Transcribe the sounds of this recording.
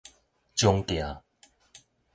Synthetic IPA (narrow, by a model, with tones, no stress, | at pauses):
t͡ɕjo˧ŋkja˨˦